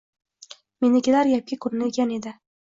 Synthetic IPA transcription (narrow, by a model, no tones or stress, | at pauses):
menɪkʲɪlaɾjap̚kʲɪkʰɵɾnɪekʲane̞d̪ɪ